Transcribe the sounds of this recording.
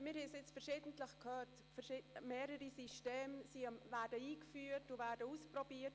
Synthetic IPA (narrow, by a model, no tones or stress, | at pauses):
mɪːɾhɛsɪt͡sfɛɾʃɪːdəntləxkʰøːt | fɛʃɪmeːɾəɾisiʃteːmsivɛɾdəiːkfyːɾtuvɛɾdəuːsprɔbiːət